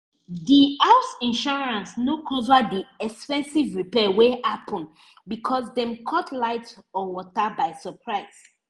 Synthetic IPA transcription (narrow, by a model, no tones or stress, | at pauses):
diaʊsĩnʃɔɹãnsnokʰɔzadiɛkspɛ̃nsivɹipɛwehapʰɔ̃n | bikʰɔsdɛ̃mkʰɔtʰlaɪtɔwɔtabaɪsəpʰɹaɪs